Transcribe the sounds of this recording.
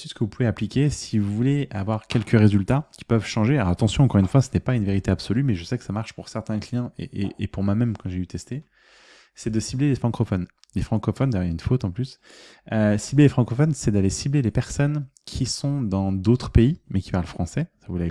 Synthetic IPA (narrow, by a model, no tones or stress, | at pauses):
sisə̥kəvupuveaplikʲesivuvuleavwaʁkʲɛlkəʁezylt̪akʲi̥pœvʃɑ̃ʒeaɔat̪ɑ̃sjɔ̃ɑ̃kɔʁynfwasənɛpaynveʁit̪eabsɔlymɛʒəsɛkə̥samaʁʃpuʁsɛʁt̪ɛ̃klijɑ̃ʔḛʔeʔːpuʁmwamɛmkɑ̃ʒeyt̪ɛst̪e | sɛd̪əsiblelefχɑ̃kɔfɔn | lefχɑ̃kɔfɔnd̪ajœʁjaynfot̪ɑ̃plysøsiblelefχɑ̃kɔfɔnsɛd̪alesiblelepɛʁsɔnkʲʰisɔ̃d̪ɑ̃d̪ot̪χə̥peimɛkʲi̥paʁləfχɑ̃sɛsavulɛ